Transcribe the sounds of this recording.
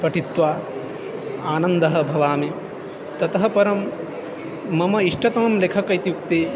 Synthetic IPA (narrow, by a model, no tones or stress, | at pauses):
pɐʈʰit̪ʋaː | aːnɐnd̪ɐɦɐ̆bʱɐʋaːme | t̪ɐt̪ɐɦɐpɐɾɐm | ɐmɐiʂʈɐt̪ɐmɐmlekʰɐkɐjt̪juk̚t̪eː